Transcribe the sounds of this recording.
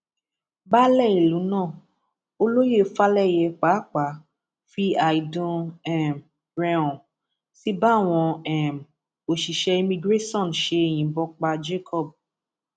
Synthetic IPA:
ba˦lɛ˦˨i˨lũ˨˦nãː˦˨ | o˦lo˦je˦˨˦fa˦lɛ˦˨jɛ˧k͡pa˨˦k͡pa˨˦ | fi˦a˨i˨dũ˧ɛ˦˨m | ɾɛ̃˧ɔ̃˨ | si˦ba˦˨w̃ɔ̃˧ɛ˦˨m˨ | o˨ʃi˨ʃɛ˧i˧mĩ˧ɡɾe˦sɔ̃˦˨nʃe˧e˨j̃ĩ˨bɔ˧k͡pa˧d͡ʒe˦kʰɔ˦˨b̚

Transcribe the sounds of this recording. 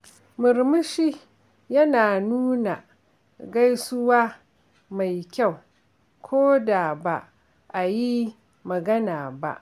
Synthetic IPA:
mʊ˨ɾmɪ˦ʃi˦ | jɐ˦naː˨nuː˦na˨ | ɡa˦jsʊ˦waː˦ | ma˨jkʲa˦˨w | kʷʰoː˦da˨ba˦ʔ | ʔa˨ji˦ | mɐ˨ɡɐ˦naː˨ba̰˦ʔ

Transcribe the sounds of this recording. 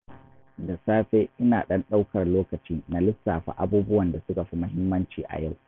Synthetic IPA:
da˨saː˦ɸeː˦ʔɪ˦naː˨ɗɐ˦nɗa˦wkɐ˨rloː˦kɐ˨t͡ʃiː˦na˨lɪ˦sːaː˨ɸa̰˦˨ʔa˦buː˦bʊ˦wɐ˨nda˨sʊ˦ka˨ɸi˦mɐ˦ɦɪ˦mːɐ˦nt͡ʃiː˨ʔa̰˨ja˦˨w

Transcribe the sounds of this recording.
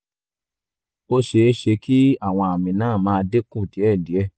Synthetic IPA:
o˦ʃe˧˦ʃe˧ki˦a˦˨w̃ɔ̃˧a˨mĩ˨nãː˦˨mãː˦˧de˦kũ˦˨ti˨˦ɛ˦˨di˨˦ɛ˧

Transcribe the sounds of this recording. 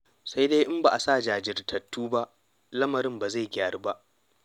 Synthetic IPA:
sa˦jdeː˦ʔɪ˦mba˨ʔa˨saː˦˨d͡ʒaː˨d͡ʒɪ˨rtʰɐ˨tːuː˦ba˦ʔ | lɐ˦mɐ˨ɾɪ˦mba˨za˦˨jɡʲaː˨ɽi˦ba˦ʔ

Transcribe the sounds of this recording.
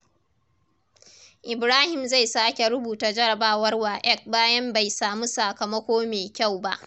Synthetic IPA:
ʔɪ˨bɾaː˦hɪ˨mza˦˨jsaː˦kʲe˨ɾʊ˦buː˨taː˨d͡ʒɐ˦ɽɐ˨baː˦wɐ˦rwaː˨ʔɛ˦˨k̚baː˦jɐ˦mba˨jsaː˨mu˦sɐ˨kɐ˨mɐ˦kʷoː˦meː˨kʲa˦˨wba̰˦ʔ

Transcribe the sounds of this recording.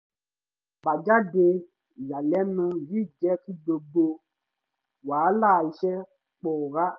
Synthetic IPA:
ba˨d͡ʒa˦de˧˨ | ja˨lɛ˨˦nũ˧˨ji˦˨d͡ʒɛ˦ki˦do˧bo˧ | waː˨˦laː˦˨i˧˦ʃɛ˦ | k͡pɔ˨ɾa˦

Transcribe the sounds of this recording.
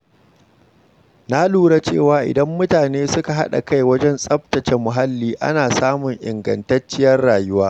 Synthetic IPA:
na˦luː˦˨ɽa˦t͡ʃḛː˦˨waː˨ʔɪ̰˨dɐ˦mːʊ˦taː˨neː˦sʊ˦ka˨ɦa̰˦ɗa̰˨ka˦jwɐ˦d͡ʒɛ˦nsʼɐ˦ɸ̚tɐ˨t͡ʃe˨mːʊ˨ɦa˦lːiː˦ʔa̰˦naː˨saː˦mʊ˨ŋʔɪ̰˨ŋɡɐ̰˨ntɐ˦t͡ʃːɪ˦jɐ˦rɽaː˨jʊ˦waː˦

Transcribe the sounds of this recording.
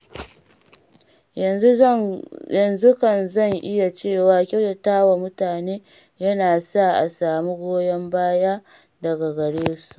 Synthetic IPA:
jɐ˨nzu˦kɐ˨nzɐ˦˨ŋʔɪ˦ja˨t͡ʃeː˦˨waː˦kʲɐ˦wda˨taː˦wa˨mʊ˦taː˨neː˦ | jɐ˦naː˨sa˦˨ʔa̰˨saː˨mi˦ɡʷoː˦jɐ˦mbaː˦jaː˦ | dɐ˨ɡa˨ɡɐ˨ɽeː˦su̥˨ʔ

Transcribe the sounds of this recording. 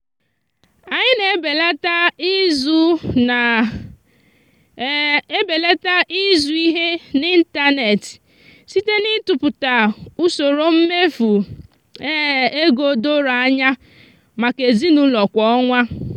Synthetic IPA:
a˨ɲɪ˦ne˨˦be˨la˦ta˦i˦zu˦na˨ | e˦be˨le˦ta˦ʔi˦zu˨i˦ɦe˦ni˦n̩˦ta˦ne˨t | si˦te˦nɪ˦tʊ˨pʊ˨ta˨u˦so˨ɾo˦m̩˦me˦fu˨ | e˦˨e˦ɡo˨do˦ɾa˦ɲa˦ | ma˨ke˨zi˦nu˦lɔ˨kʷɔ˦ɔ˦ŋʷa˦

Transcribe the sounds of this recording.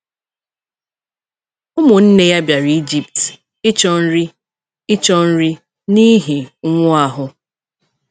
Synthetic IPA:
ʊ˦mʊ˨n̩˦ne˦ja˦bja˨ɾi˦d͡ʒi˨pt | ɪ˦t͡ʃɔ˦n̩˦ɾi˦ | ɪ˦t͡ʃɔ˦n̩˦ɾi˦ | ni˦ɦi˨˦ŋʷʊ˦a˨ɦʊ˨

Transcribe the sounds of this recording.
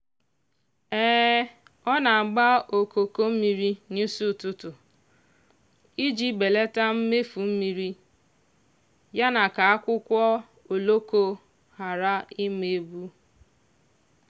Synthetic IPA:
ɛː˦ | ɔ˦na˨ɡ͡ba˦o˨ko˨ko˦m̩˦mi˨ɾi˦ni˦su˦˨tʊ˦tʊ˨ | i˦d͡ʒi˦be˨le˦ta˦m̩˦me˦fu˨m̩˦mi˨ɾi˦ | ja˦na˨ka˨a˦kʷʊ˦kʷɔ˦ | o˨lo˦ko˦ | ha˨ɾa˦i˦me˨˦bu˦

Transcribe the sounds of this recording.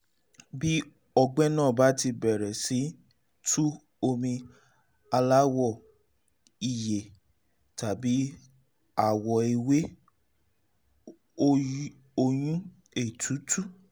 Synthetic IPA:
bi˦ | ɔ˧ɡ͡bɛ˦nãː˦˨ba˨˦ti˧bɛ˨ɾɛ˨si˨˦ | tʰu˦ | o˧mĩ˧ | a˧la˦wɔ˦˨ | i˨je˨ | ta˨bi˨˦ | a˨wɔ˨i˨we˦ | o˦ | o˧j̃ũ˦ | e˨tʰu˨˦tʰu˦˨

